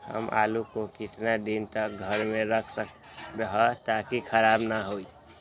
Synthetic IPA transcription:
hə̰mʔa̰lukokit̪nad̪int̪ək̚ɡʱəɾmeɾəkʰsək | ɾəɦət̪akikʰəɾabnaɦoi

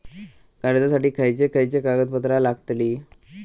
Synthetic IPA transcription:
ɡ̥aɾd͡z̪asaʈiːkʰəjt͡sekʰəjt͡sekaɡət̪̚pət̪ɾalaɡət̪liː

